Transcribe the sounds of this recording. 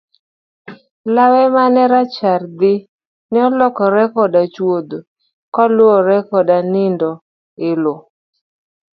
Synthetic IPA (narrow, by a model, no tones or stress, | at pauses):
lawɛmanɛɾat͡ʃard̪ɪ | nɪɔlɔkɔɾɛkɔdat͡ʃwod̪o | kɔlʊɔɾɛkɔdanɪndɔ | ɪlo